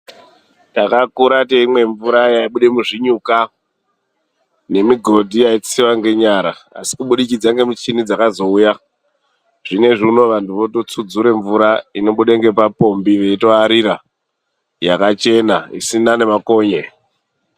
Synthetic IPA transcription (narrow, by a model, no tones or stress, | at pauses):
takakuɾateimwe̞ɱvuɾajaiɓuɗe̞muʐiɲuka | ne̞miɡʱo̞dʱijait͡siwaŋɡe̞ɲaɾaa̰si̥kuɓuɗikid͡zaŋɡe̞mit͡ʃinid͡zakazo̞uja | ʐ̥ine̞ʐino̞ʋantʰuʋo̞to̞t͡sud͡zuɾe̞ɱvuɾaino̞ɓuɗeŋɡe̞papo̞mbiʋe̞ito̞aɾiɾa | jakat͡ʃe̞naḭsinane̞mako̞ːɲe